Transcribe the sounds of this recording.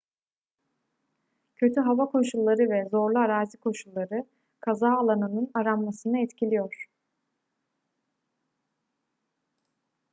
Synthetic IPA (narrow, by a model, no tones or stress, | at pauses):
cʰø̞t̪ʰyɦavakʰo̞ʃulˠːaɾɯvɛzo̞ɾlˠuaɾaːzikʰo̞ʃulˠːaɾɯ | kʰazaːlˠanɯnɯnaɾamːasɯnaɛt̪cʰilʲijoɾ̥